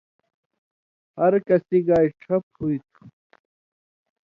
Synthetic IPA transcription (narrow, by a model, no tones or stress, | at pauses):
hɐɾkɐsiɡaːiʈ͡ʂʰɐp̚huit̪ʰu̥